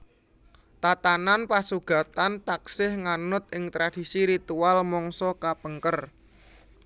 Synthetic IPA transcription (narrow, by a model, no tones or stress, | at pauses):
t̪at̪ananpasuɡ̥a̤t̪ant̪aksɪhŋanʊt̪̚ʔɪŋt̪ɾad̥i̤siɾit̪ualmɔŋsɔkapəŋkər